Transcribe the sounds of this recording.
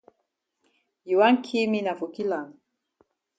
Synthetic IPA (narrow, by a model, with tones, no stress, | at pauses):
ji˨wa˦ŋ˦kʰi˦mi˦na˨vu˨ki˦la˨ŋ